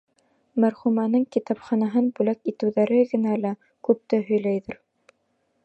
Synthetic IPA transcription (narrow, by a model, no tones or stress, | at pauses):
mæɾχumænɤŋkit̪ɑpχɑnɑɦɤnbʉlækit̪ɘ̆wðæɾɘɡɘ̆nælæ | kʉp̚t̪ɘɦɵ̆jlæjðɘɾ